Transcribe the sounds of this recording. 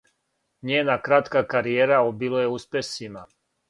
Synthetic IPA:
ɲeːnakɾat̪kakaɾijeːɾaobiloje̞uspʲesima

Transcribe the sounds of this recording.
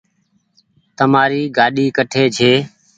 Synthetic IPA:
t̪əmaːɾiːɡaːɗiːkəʈʰeːd͡ʒʰʱeː

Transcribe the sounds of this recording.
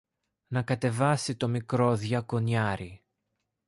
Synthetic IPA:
nɐkɐt̪e̞vɐsit̪o̞mikɾo̞ðʝɐko̞ɲɐɾi

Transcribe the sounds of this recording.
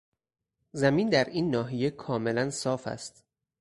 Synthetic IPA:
zæmiːnd̪æɾiːnːɒːɦijekʰɒːme̞lænsɒːfæ̰st̪

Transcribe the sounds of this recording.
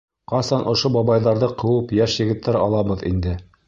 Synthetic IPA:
qɑsɑnʔŏʃobɑβɑjðɑɾðɤqɤ̆wɤpjæʃjɘ̆ɡɘ̆t̪ʰːæɾɑlˠɑβɤðḭnd̪ɘ

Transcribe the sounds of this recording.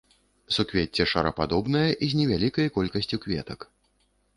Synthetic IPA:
sukvʲet͡sʲːɛʂɐɾɐpad̪ɔbnɐjɐʔizʲnʲɛvʲalʲikɐjkɔlʲkɐsʲt͡sʲukvʲɛt̪ɐk

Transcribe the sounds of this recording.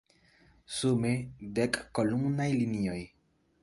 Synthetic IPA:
sumedekːolumnajlinio̞j

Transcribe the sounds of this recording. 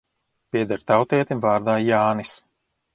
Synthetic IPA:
pʲiɛd̪aɾt̪awt̪ɛɛt̪imvaːɾd̪aːjaːnis

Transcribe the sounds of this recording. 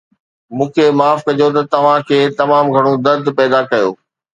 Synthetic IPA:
mũːkʰemaːfkɐd͡ʑot̪̬ɐt̪ɐʋ̤ãkʰeːt̪ɐmaːmɡʱɐɽ̃od̪ɐɾd̪ʱpɛːd̪akɐjo̰ː

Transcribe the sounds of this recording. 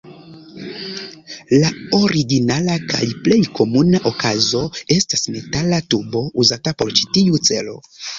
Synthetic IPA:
laoɾiɡinalakʰa̰jple̞jkʰo̞munaʔokazo̞e̞stasne̞talatubo̞ʔuzatapo̞ɾt͡ʃi̥tiut͡se̞̰lo̞̰

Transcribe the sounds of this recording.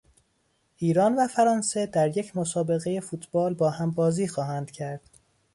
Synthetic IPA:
ʔiːɾɒːnvæfæɾɒːnse̞d̪æɾje̞cʰmosɒːbe̞ɣeje̞fuːt̪ʰb̥ɒːlbɒːhæmbɒːziːxɒːhænd̪̥cʰæɾd̪̥

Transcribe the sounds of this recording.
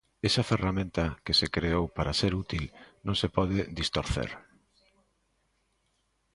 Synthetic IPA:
esɐferamẽnt̪ɐkesekɾeowpaɾaseɾut̪ilnõŋsepɔðed̪ist̪oɾθḛɾ

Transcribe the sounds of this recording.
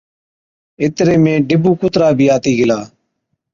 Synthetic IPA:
ɪt̪ɾeːmẽːɖɪbuːkʊt̪ɾaːbʱiːaːt̪iːɡɪlaː

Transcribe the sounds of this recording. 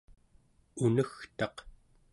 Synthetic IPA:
unəxt̪ɑq

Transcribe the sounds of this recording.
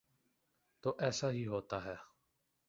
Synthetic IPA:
t̪oʔɛsahiɦot̪aɦɛ

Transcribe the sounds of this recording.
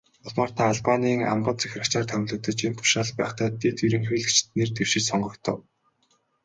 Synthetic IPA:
ʊɮmaːr̥t̪ʰaːɮpaniːŋa̰mpə̆t̪t͡sʰæ̥xʲrăkt͡ɕaːrt̪ʰœwʲɮɵ̆k̚t̪ə̆t͡ɕent̪ʰʊ̥ʃaːɮpæ̰ːχt̪ʰæːt̪et̪iɾɘ̆ŋxiːɮt͡ɕʰt̪neːrt̪ewʃɪ̆t͡ɕsɔɴɢɞ̆kt̪ʰɞ̰̆w

